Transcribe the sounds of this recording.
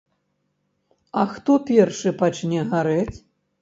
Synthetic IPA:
ɐxt̪ɔpʲɛrʂɨpat͡ʃnʲɛɣaɾɛt͡sʲ

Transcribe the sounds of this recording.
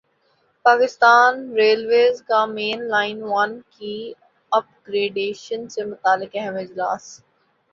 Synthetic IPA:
paːkɪst̪aːnɾeːlʋeːzkamẽːnlaːɪnʋanki | ɐp̚ɡɾeːɖeːʃənsemʊt̪aːlːɪkɛɦɛmɪd͡ʒla̰ːs

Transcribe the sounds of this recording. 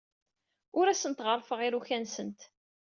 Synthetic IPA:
ʊɾæsənt̪ʁərˤfəʁiɾuçænsənt̪

